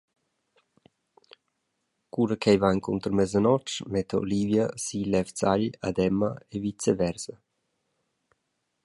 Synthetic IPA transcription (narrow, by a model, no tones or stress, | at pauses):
kuɾəkʰɛjvankʰunt̪ərmɛzənɔt͡ʃmɛt̪ʰəo̰livjasilɛvt͡saʎad̪ɛməevit͡sevɛɾzə